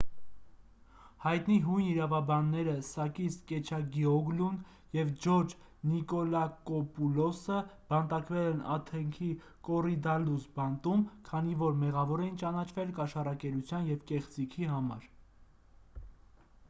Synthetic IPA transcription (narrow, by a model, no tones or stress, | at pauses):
hɑjt̪niɦujniɾɑvɑbɑnːɛɾəsɑkiskɛt͡ʃʰɑɡiɔɡlun | jɛvd͡ʒɔɾd͡ʒ | nikɔlɑkɔpulɔsəb̥ɑnt̪ɑkvɛlɛnɑt̪ʰɛŋkʰi | kɔrid̪ɑlusbɑnt̪umkʰɑnivɔɾmɛʁɑvɔɾɛjint͡ʃɑnɑt͡ʃʰvɛlkɑʃɑrɑkɛɾut͡sʰjɑnjɛvkɛχt͡sikʰiɦɑmɑ̰ɾ